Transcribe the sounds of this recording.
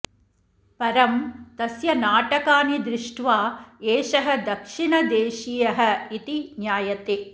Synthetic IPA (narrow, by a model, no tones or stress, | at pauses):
pɐɾɐmt̪ɐsjɐnaːʈɐkaːnid̪ɾɪʂʈʋaːeːʃɐɦɐ̆d̪ɐkʂiɳɐd̪eːʃiːjɐɦɐ̆it̪injaːjɐt̪e